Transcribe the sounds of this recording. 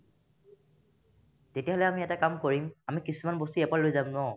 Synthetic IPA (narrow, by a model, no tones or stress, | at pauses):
tetijaɦɔlɛamiɛtakamkoɹimamikisumanbostuɛpalojzamnɔ